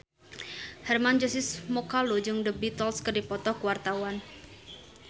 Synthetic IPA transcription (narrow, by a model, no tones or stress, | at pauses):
hɛrmand͡ʒɔsɪsmɔkalud͡ʒɨŋdəbit̪ɔlskərdipɔt̪ɔhkuwart̪awan